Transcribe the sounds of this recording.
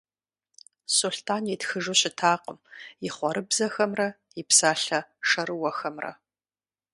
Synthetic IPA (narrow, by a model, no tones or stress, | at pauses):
suɬtʰaːnjɛtxɨʒuɕɪtʰaːqəmjɪχʷɔɾɨbzɐxɐmrɐ | jipsaːɬɐʂɐɾɨwɐxɐmrɐ̰